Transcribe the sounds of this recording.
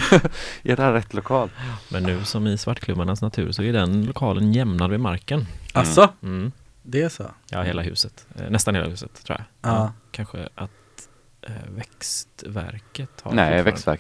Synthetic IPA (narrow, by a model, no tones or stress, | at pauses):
ʔæɖɛhæɾɛt̪ːlʊkʰɑːlmʔɛnːʉ̟ːsɔmɪsvaʈːkʰlɵmːaɳasnat̪ʰʉ̟̰ːɾsɔɛɖɛnlʊkʰɑːlʔənjɛmnad̪vɪmaɾkənasɔm̩ːd̪ɛæso̰jɑ̰heːlaɦʉ̟ːsət̪nɛst̪anheːla̰hʉ̟ːsət̪ʰɾṵːjakʰanɧə̰ʔat̪ | vɛkst̪væ̰ɾkət̪ha̰nɛvɛkst̪væ̰ɾk